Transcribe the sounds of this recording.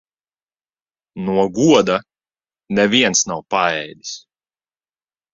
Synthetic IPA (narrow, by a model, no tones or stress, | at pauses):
nuɔɡuɔd̪a | nɛviɛnsnawpaɛjd̪ʲi̥s